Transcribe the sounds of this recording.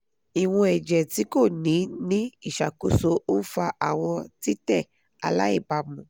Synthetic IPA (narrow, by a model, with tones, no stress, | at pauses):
i˨w̃ɔ̃˧ɛ˨d͡ʒɛ˨ti˨˦ko˦˨nĩ˨˦nĩ˦i˦˨ʃa˨ko˨so˧o˦n̩˦fa˧ʔa̰˨w̃ɔ̃˧ti˦tɛ˦˨ | a̰˧la˦ḭ˦˨ba˧mũ˨